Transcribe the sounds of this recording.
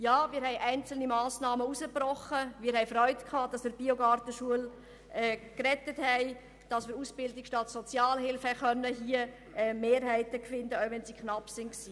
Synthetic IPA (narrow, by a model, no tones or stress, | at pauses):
jɑːmɪːɾɦɛɪʔæɪnt͡sl̩nimɑːsnɑːməusəprɔχəmɪːɾhɛɪfrœʏtkʰɑːd̥ɑsmɪb̥ioɡɑːrtəʃuəl | ɛːkrɛtəthɛɪ | d̥ɑsmɪːɾusb̥ɪldɪkʃtɑtsɔt͡sjɑːlhɪlfɛχœnːəɦiə | ʔɛmeːɾɦɛɪtəkfɪndəɔʊvɛnzikχnɑpsɪnksiː